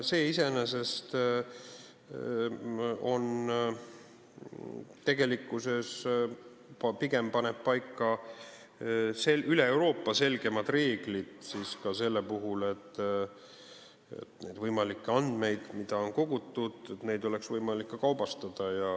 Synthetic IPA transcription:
se̞ːise̞nese̞st̪ | o̞n | t̪e̞ɡe̞likˑːuse̞s | pɑpiɡe̞mpɑne̞b̥̚pɑjkːɑ | seyleewɾo̞ːpːɑse̞lɡ̥e̞mɑd̪re̞ːɡ̥lid̪̥siːskɑse̞lːepuɦule̞t̪ː | ḛt̪ned̪vɤjmɑlikːˑeɑnd̪̥me̞jd̪̥mid̪̥ɑo̞nko̞ɡ̥ut̪ːˑud̪̥et̪ne̞jd̪o̞le̞ksvɤjmɑlikːɑkɑwbɑst̪ɑd̪̥ɑjɑ

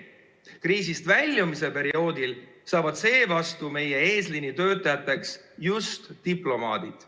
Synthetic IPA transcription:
kriːsist̪vælʲːjumis̬e̞pe̞ɾio̞ːd̪̥il | sɑːvɑd̪̥se̞ːvɑst̪ume̞je̞e̞ːslinːit̪ø̞ːt̪ːˑɑjɑt̪ːˑe̞ksjust̪ːiplo̞mɑ̰ːd̪̥id̪̥

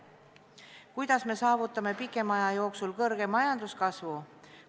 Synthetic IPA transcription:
kujd̪̥ɑsme̞sɑːvut̪ːˑɑme̞pikːˑe̞mɑjɑjo̞ːksulkɤrɡ̥e̞mɑjɑnd̪̥uskɑsvu

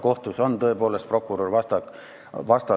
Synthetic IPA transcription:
ko̞ht̪uso̞nt̪ɤ̞e̞poːlest̪̚pro̞kːˑuɾorvɑst̪ɑk | vɑst̪ɑ

